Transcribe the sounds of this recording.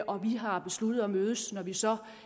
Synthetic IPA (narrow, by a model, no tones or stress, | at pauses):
ʔɒ̽ʋiɦɑ̈b̥e̝slud̥ð̩ˠɒmøːð̞ˠəsnɒʋisɒ̽